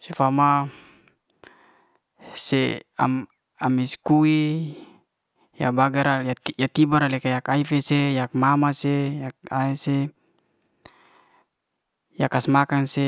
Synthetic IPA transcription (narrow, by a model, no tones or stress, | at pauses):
sefama | sḛa̰ | amiskui | ja̰baɡaɾaajat̪ibaɾalɛkajakaifesejak̚mamasejakaise | jakasmakaŋse